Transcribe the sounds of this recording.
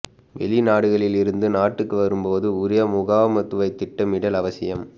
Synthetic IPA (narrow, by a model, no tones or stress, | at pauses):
ʋɛ̰ɭinaːɽɯɣɐɭɪlɪɾɯnd̪ɯnaːʈːɯkːɯʋɐɾɯmpoːðɯʊɾɪjɐmʊɣaːmɐt̪ːɯʋɐɪt̪ːɪʈːɐmɪɽɐlɐʋɐsɪjɐm